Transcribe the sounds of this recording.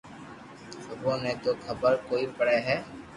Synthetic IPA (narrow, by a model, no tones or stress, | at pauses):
səbõːnẽːt̪oːkʰəbəɾkoːipəɽeːɦɛː